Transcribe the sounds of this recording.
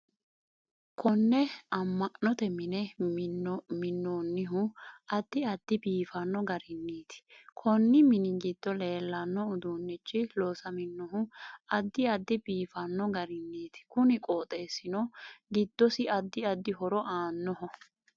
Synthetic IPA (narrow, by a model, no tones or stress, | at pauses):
kʰɔnːɛɐmːɐʔnɔt̪ɛmɪnɛ | mɪnːonːɪɦʊɐd̪ːɪɐd̪ːɪbiːfɐnːɔɡɐɾɪnːiːt̪ɪ̥kʰɔnːɪmɪnɪɡɪd̪̥ːɔle̞ːlːɐnːɔʊd̪uːnːɪt͡ʃːɪloːsɐmɪnːɔɦʊɐd̪ːɪɐd̪ːɪbiːfɐnːɔɡɐɾɪnːiːt̪ɪ̥kʊnɪkʼoːt̪ʼe̞ːsɪnɔɡɪd̪ːɔsɪɐd̪ːɪɐd̪ːɪɦɔɾɔʔaːnːɔɦɔ